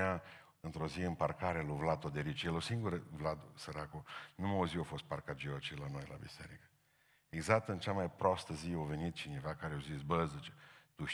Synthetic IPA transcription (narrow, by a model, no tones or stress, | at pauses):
a | ɨnt̪ɾo̞ziɨmparkaɾeluvlat̪od̪eɾit͡ʃjelosiŋɡuɾəvlat̪osəɾakonumaoziofo̞st̪̚parkat̪̚d͡ʒeat͡ʃilano̞jla̰bḭseɾikə̥ | eɡzak̚t̪ɨnt͡ʃamajpɾost̪əziove̞nit̪̚t͡ʃine̞vakaɾeawzisbəzɨt͡ʃe̥t̪uʃ